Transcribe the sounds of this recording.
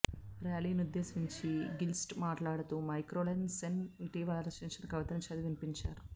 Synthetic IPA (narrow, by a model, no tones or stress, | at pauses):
ɾjaːliːniud̪ːeːsiɲt͡ʃiɡilsʈmaːʈlaːɽɐt̪umɐjkɾoːlɐnseniʈiːʋaːlɐlɐt͡ʃeːt͡ʃɐnɐkɐʋɐt̪ɐnut͡ʃɐd̪iʋinipiɲt͡ʃaːɾu